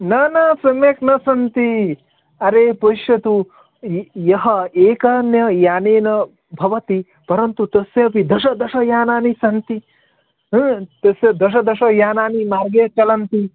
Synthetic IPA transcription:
nɐnɐsɐmeːknɐsɐnt̪i | ɐɾeːpɐiʃjɐt̪u | jɐɦɐeːkɐnjɐjaːneːnɐ | bʱɐʋɐt̪i | pɐɾɐnt̪ut̪ɐsjɐpid̪ʱɐʃɐd̪ɐʃɐjaːnaːnisɐnt̪i | ɦt̪ɐsjɐd̪ɐʃ̬ɐd̪ɐʃɐjaːnaːnimaːɾɡeːt͡ʃɐlɐnt̪i

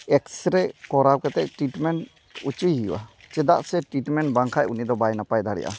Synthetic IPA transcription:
ɛksɾɛkɔɾawkɛt̪ɛʔʈɾiʈmɛɳ | ut͡ʃujɦijwa̰t͡ʃɛd̪a̰ʔsɛʈɾiʈmɛɳʈbaŋkʰajunid̪ɔbajnapajd̪ʱaɽɛ̰ʔa̰

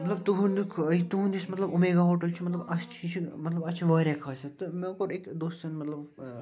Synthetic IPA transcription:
mɐt̪lɐb̚t̪uɦund̪ukʰit̪uɦund͡ʒismɐt̪lɐbumeɡaɦoːʈɐlt͡ʃʰimɐt̪lɐbɐsʰt͡ʃʰit͡ʃʰimɐt̪lɐbɐt͡ʃʰiʋɐːɾʲakʰɐːset̪ɨmekoɾekd̪oːstɐnmɐt̪lɐb

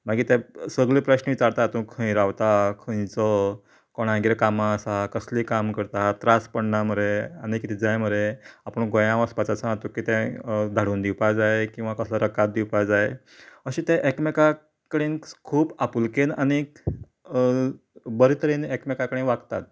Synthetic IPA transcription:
m̤aɡiːt̪ɛsəɡɭliːpɾəɕnəʋit͡saɾt̪at̪ũkʰə̃j̃ɾaʋt̪akʰə̃jt͡sɔ | kɔɽ̃ãɡeɾkamãːsakəsliːkamkəɾt̪at̪ɾaspəɳnaməɾeanikit̪ʰid͡zajməɾeapəɳɡʱojãʋəspat͡sasãat̪ukit̪ɛ̃d̪ʱaɽuːnd̪iwpajd͡zajekĩw̃ʋakəsləɾəkat̪̚d̪iwpajd͡zaje | əɕĩt̪ɛʔekmeka | kəɽeːnkʰuːbapulkenañi | bəɾit̪ʰəɾenekmekakəɽẽʋakt̪at̪̚

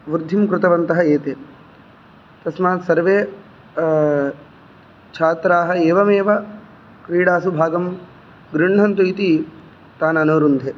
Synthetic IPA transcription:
ʋɾd̪ʱːimkɾɪt̪ɐʋɐnt̪ɐɦɐeːt̪eː | t̪ɐsmaːt̪sɐɾʋeː | t͡ʃʰaːt̪ɾaːɦɐ̆eːʋɐmeːʋɐ | kɾiːɽaːsubʱaːɡɐm | ɡɾɪɳɳ̤ɐnt̪uit̪i | t̪aːnɐnoːɾund̪ʱeː

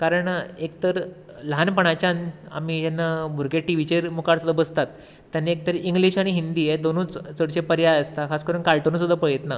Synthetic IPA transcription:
kaɾəɳekt̪əɾ | lanpəɳ̃at͡ɕjana̰mijanːabʱuɾɡeʈiʋ̤it͡ɕeɾmukaɽsud̪ʱəbəst̪at̪ː | janːiek̚t̪əɾiŋɡliɕaɽ̃iɦind̪iːed̪onũːt͡st͡səɽɕepəɾjaəst̪akʰaskəɾuːnkalʈənuːsud̪ʱəpəɭjet̪na

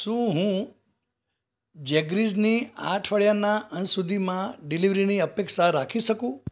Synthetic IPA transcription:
ʃũɦũ | d͡ʒɛɡɾid͡ʒniaʈʰʋəɭjanaənsud̪ʱimãɖiliʋɾiniəpekʃaɾakʰiʃəkũ

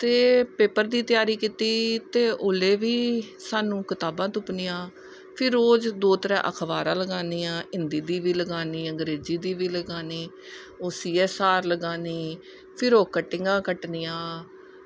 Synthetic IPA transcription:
t̪eːpeːpəɾd̪iːt̪ɪjaːɾiːkiːt̪iːt̪eːʔoːleːʋiː | saːnũːkɪt̪aːbãːt̪ʊpnɪːãː | pʰɪɾoːd͡ʒd̪oːt̪əɾã̰ːʔəkʰʋaːɾãːləɡaːniːãːɪnd̪iːd̪iːʋiːləɡaːniːə̃ŋɡɾeːziːd̪iːʋiːləɡaːniː | oːsiːɛːsaːɾləɡaːniː | pʰɪɾoːkəʈːɪŋɡãːkəʈnijãː

